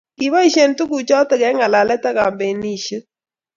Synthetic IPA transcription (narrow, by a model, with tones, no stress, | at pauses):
ki˨βa˦i˨ʃe˨ntu˦ku˨t͡ʃɔ˦tɛ˨kɛ˨˦ŋa˨la˨lɛ˦ta˦ka˨mbe˨ni˦˨ʃi˦